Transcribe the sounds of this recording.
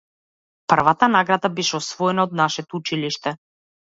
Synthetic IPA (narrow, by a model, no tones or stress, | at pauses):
pr̩vat̪anaɡɾad̪abɛʃɛɔsvɔɛnaɔd̪naʃɛt̪ɔut͡ʃiliʃt̪ɛ